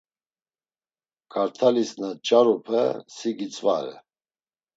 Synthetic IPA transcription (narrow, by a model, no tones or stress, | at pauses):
ɡ̥ʰaɾt̪ʰalisnat͡ʃʼaɾupʰə̰siɡit͡sʼva̰ɾɛ̰